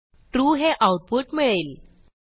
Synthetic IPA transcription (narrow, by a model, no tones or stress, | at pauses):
ʈɾuɦeʔawʈ̚puʈmiɭel